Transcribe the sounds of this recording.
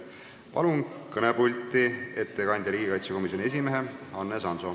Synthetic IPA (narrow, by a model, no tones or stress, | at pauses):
pɑ̰lunkɤnepulʲt̪ˑːie̞t̪ːekɑnʲd̪̥ʲjɑliːɡ̥ikɑjt̪sjeko̞misjo̞nʲie̞s̬imeɦe̞ɑnːesɑnso̞